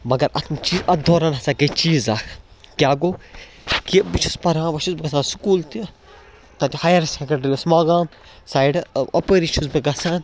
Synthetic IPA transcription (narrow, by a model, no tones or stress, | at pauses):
mɐɡɐɾɐ̰t̪ʰmt͡ʃiːzɐt̪̚d̪oːɾɐnɐsakɐt͡ʃiːzaːkʰ | kjaːɡoː | kibit͡ʃʰuspɐɾãːʋɐʃʰusbiɡɐsãːsu̥kuːlt̪i | t̪ɐt̪ʲihaːjɐɾsekɐɳɖɐɾiɐsmaːɡãː | saːiɖɐ̰pəɾit͡ʃʰusbiɡɐsãːn